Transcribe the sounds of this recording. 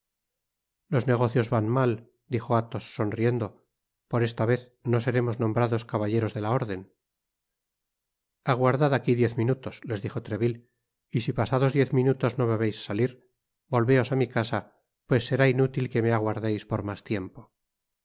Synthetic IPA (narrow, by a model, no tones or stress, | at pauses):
lo̞zneɣ̞o̞θjo̞zβanmal | d̪ixoat̪osːo̞nrie̞nd̪o̞ | po̞ɾe̞st̪aβe̞θno̞se̞ɾe̞mo̞znombɾaðo̞skaβaʎe̞ɾo̞zðe̞lao̞ɾðe̞n | aɣ̞waɾðaðakiðje̞θmĩnut̪osle̞zðixo̞t̪ɾe̞βil | isipasaðo̞zðje̞θmĩnut̪o̞zno̞βe̞βe̞jsːaliɾ | bo̞lβe̞o̞samikasa | pwe̞sːe̞ɾainut̪ilke̞meaɣwaɾðejspoɾmast̪je̞mpo̞